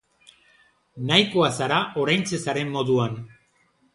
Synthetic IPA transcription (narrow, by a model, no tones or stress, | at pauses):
najko̞asaɾaʔo̞ɾajnt͡se̞saɾe̞mːo̞ðuan